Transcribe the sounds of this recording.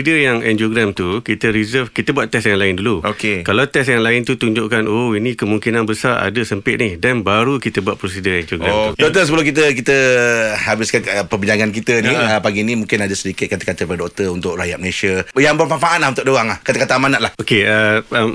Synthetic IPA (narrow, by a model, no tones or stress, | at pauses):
idəjaŋɛ̰nd͡ʒoɡɾamt̪ukit̪əɾizəfkit̪əbuat̪ːɛsjaŋlaɪnduluokekalawt̪ɛsjaŋlaɪnt̪ut̪uɲd͡ʒʊʔkanoinĩkəmũŋkinanbəsaɾa̰dəsəmpɪt̪̚nihdanbaɾukit̪əbuat̪̚pɾosidəɛnd͡ʒoɡɾamt̪udɔt̪əs̬əbəlʊk̬it̪̬ək̬it̪əhabɪskaəpərbiɲd͡ʒaŋankit̪ənĩəpaɡinimũŋkɪnadasədikɪt̪̚kat̪ə̥kat̪əpadoʔ̚t̪əunt̪ʊʔɾajat̪̚məlesiəjaŋbərmanfaʔanlahunt̪ʊʔ̚doaŋlahkat̪akat̪amanaʔlahokeəm